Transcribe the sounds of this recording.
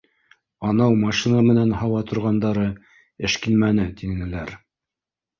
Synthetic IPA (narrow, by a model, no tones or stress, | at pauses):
ɑnɑwmɑʃinɑmɘ̆nænhɑwɑt̪ʰŏɾʁɑnd̪ɑɾɤ | ɘ̆ʃkilmænɘt̪iɘ̆nɘ̆læɾ